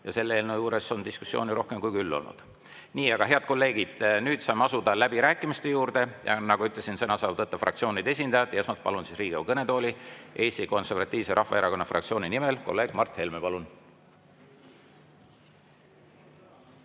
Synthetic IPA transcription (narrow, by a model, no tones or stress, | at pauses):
jɑse̞lːeeːlnojuːɾe̞so̞nd̪isku̥sːio̞̰ːniɾo̞hke̞mkujkylːo̞̰lnṵd̪̥ | niːɑɡɑɦe̞ɑd̪̥ko̞lːe̞ːɡ̥id̪̥nyːd̪̥sɑjmɑsud̪ɑlæbiɾæːkːˑimist̪e̞juːɾd̪̥e̞jɑ̰nɑɡuyt̪lesinsɤnɑsɑːvt̪ɤt̪ːˑɑfrɑ̰kt̪sio̞ːnijd̪̥e̞sʲind̪ɑjɑd̪ˑesmɑt̪̚pɑ̰lunsisriːɡ̥iɑukɤne̞d̪t̪oːlʲiʔe̞ːst̪iko̞nse̞rvɑt̪ʲˑːiːv̥seɾʔɑhvɑeɾɑko̞nːɑfrʔɑ̰kt̪sio̞ːninime̞lko̞̰lːe̞ːɡ̥mɑrt̪he̞lmepɑlun